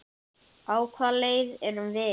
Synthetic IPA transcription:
aːwkʰvalejðɛɾʏmvɪ

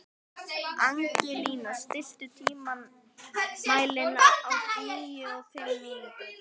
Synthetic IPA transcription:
aŋcɪliːnast̪ɪst̪ʏt̪ʰiːma | maːjlɪnːaɾawniːjʏɔɣfɪmːɪɪ

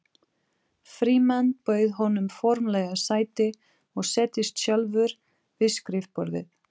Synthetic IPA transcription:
fɾiːmanːpœːɥðɦɔnʏmfɔɾmlɛɣasaːjt̪ɪ | ɔɣsɛːt̪ɪst̪sjœlvʏɾ | vɪðskɾɪfpɔɾðɪ̰

